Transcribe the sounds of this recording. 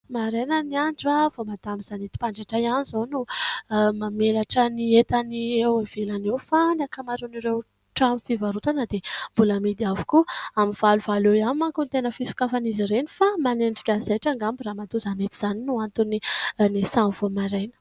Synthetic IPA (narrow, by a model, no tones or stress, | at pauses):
maɾejnəniaɳɖ͡ʐavomad̪amizanet̪i̥paɳɖ͡ʐaʈ͡ʂajanizonu | mamelaʈ͡ʂəniet̪aniewev̥elanewfanakamaɾuniɾew | ʈ͡ʂamifivaɾut̪anəd̪emb̥ulamid̪iavu̥kuamiv̥aluvalewjamimaŋkunt̪enəfisu̥kafaniziɾeni̥famaneɳɖ͡ʐikʲazaʈ͡ʂaŋɡambiramat̪uzanet̪iz̥aninuant̪uninisamvomaɾejnə̥